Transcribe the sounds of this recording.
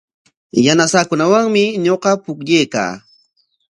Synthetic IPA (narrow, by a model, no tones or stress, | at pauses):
janasaːkʊnawaŋmɪɲoqɑpʊkʎejka̰ː